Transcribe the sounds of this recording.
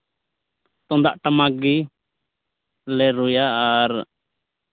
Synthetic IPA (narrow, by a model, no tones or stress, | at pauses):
t̪ɔnd̪aʔʈamaɡi | lɛɾujaːɾ